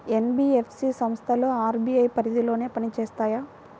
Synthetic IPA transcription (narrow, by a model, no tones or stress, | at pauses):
enbiːepʰsiːsɐmst̪ʰɐluaːɾbiːɐjpɐɾid̪ilo̞ːne̞ːpɐnit͡ʃeːst̪aːjaː